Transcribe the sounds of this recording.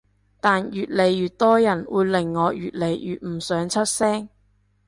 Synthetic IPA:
t̪aː˨njyː˨t̚le˨˧jːyː˨t̚t̪ɔː˥jɐ˨˩nwuː˨˧jlɪ˨˩ŋːɔː˨˧jyː˨t̚le˨˩jjy̰ː˨t̚m̩˨˩sœː˨˧˥ŋt͡sʰɵ˥t̚sɛː˥ŋ

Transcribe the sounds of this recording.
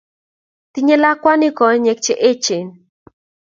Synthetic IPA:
t̪i˦ɲe˦la˦kwa˦ni˦kɔ˨ɲe˨k̚t͡ʃe˨ʔe˦t͡ʃe˨n

